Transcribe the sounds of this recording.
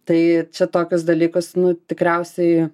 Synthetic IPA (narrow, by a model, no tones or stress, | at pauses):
t̪ɐɪt͡ʃʲɛt̪oːkʲʊs̬d̪ɐlʲiːkʊsnʊt̪ʲɪkɾʲɛʊsʲɛɪ